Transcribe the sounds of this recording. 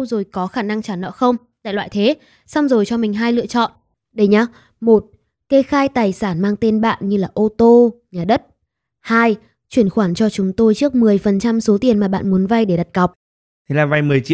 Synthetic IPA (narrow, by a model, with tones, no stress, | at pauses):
wzo˨˩jkɔ˨˦xaː˧˩na˧ŋt͡ɕaː˧˩nɔ̰˧˥xə˧wŋ͡mt̪a̰ː˧˨lwa̰ː˧˨jt̪ʰe˨˦ | sa˧wŋ͡mzo˨˩jt͡ɕɔ˧mï˨˩ŋ̟ɦaː˧jlɨ̰˧ət͡ɕɔ̰˧˨n | ɗə˨˧jɲaː˧˩ | mo˨˩t̚ | ke˧xaː˧jt̪aː˨˩jsaː˧˩nmaː˧ŋt̪e˧nɓa̰ː˧˨nɲɨ˧laː˨˩ʔo˧t̪o˧ɲaː˨˩ɗə˦˥t̚ | haː˧j | t͡ɕwi˧˩ənxwaː˧˩nt͡ɕɔ˧t͡ɕʊ˨˦ŋ͡mt̪o˧jt͡ɕɨ˦˥ək̚mɨ˨˩əjfə˨˩nt͡ɕa˧mso˨˦t̪i˨˩ənmaː˨˩ɓa̰ː˧˨nmu˨˦ənva˧jɗe˧˩ɗa˨˩t̚ka˨˩wk͡p̚ | t̪ʰe˨˦laː˨˩va˧jmɨ˨˩əjt͡ɕḭ˧˨